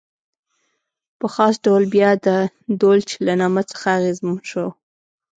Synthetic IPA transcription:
pəxɑsɖawlbjɑd̪ə | d̪olt͡ʃelanɑmət͡sə̥xaːɣezmnʃow

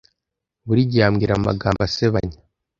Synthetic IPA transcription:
βuɾiɟiamɡiɾama̰ɡaːmbaseβaɲa

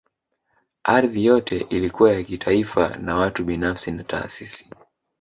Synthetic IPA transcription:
ʔaɾðijɔtʰɛʔilikuwajakitʰaifa̰nawatuɓinafsinatʰa̰ːsisi̥

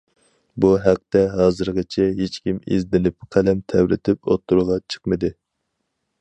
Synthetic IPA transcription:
buɦæq̚t̪ɛɦɑːzɨɾʁɨt͡ʃʰɛɦet͡ʃkʲimizd̪ɪnɪp̚qʰælɛmt̪ʰɛwɾɪ̰t̪ʰɪpo̰t̪ʰːuɾʁɑt͡ʃʰə̥qmɨd̪ɨ

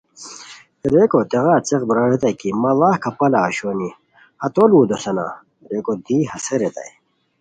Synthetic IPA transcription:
eɾekot̪eɣat͡seqbɾawet̪ɐjkimɐlahkɐpɐlaːɕoni | hɐt̪oluːd̪osɐna̰ | ɾekod̪iːɦɐseɾet̪ɐ̰j

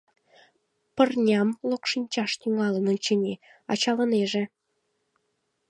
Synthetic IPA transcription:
pə̆rnʲɑmlokʃinʲt͡ɕɑʃt̪yŋɑlənə̆nʲt͡ɕə̆nʲe | ɑ̰t͡ɕɑlə̆neʒĕ

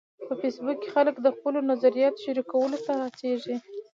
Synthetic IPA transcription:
pəfesbukkːe̥xaləkd̪əxpəlonazaɾijɑt̪ʃəɾikawəlot̪aat͡seʒi

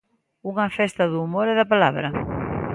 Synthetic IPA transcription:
uŋɐfɛst̪ɐðuːmoɾɛðɐpalaβɾɐ

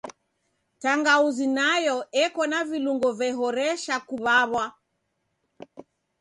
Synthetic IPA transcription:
taŋɡauzinajɔɛkɔnaviluŋɡɔvɛɦɔɾɛʃakuβaβwa

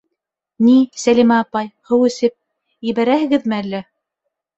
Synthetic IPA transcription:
nisælʲimæːpɑjhɘwɘ̆sɘp̚ | jɘ̆βæɾæhɘ̆ɡɘðmɘælːæ

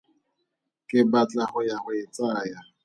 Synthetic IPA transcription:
kʼɪbat͡ɬʼaχʊjaχʊɪt͡sʼaːja

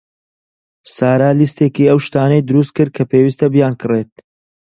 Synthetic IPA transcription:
saːɾaːlist̪eːkiːɐwʃt̪aːnɐjd̪ʊɾuːst̪̚kɨɾ̚kʰɐpeːwist̪ɐbjaːnkʰɨret̪̚

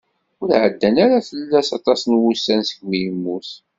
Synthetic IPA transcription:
ʊɾʕəd̪ːænaɾaθəlːæsɑt̪ˤɑsənwusːænsə̥ɡwijəmːuθ

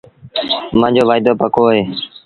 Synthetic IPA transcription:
mãːd͡ʒoːʋaːɪd̪oːpəkoːɦeː

